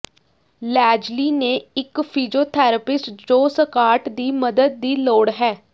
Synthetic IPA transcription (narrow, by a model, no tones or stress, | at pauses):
lɛːd͡ʒliːneːɪkpʰiːd͡ʒoːt̪ʰɛːɾəpɪsʈd͡ʒoːsəkaːʈd̪iːməd̪əd̪̚ːiːloːɽɦɛː